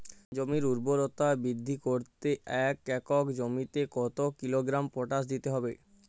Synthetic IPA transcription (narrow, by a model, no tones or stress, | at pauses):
d͡ʑomiɾuɾboɾot̪abɾid̪ʱːikoɾt̪eɛkɛkokd͡ʑomit̪ekɔt̪okiloɡɾampoʈas̬d̪it̪eɦɔbe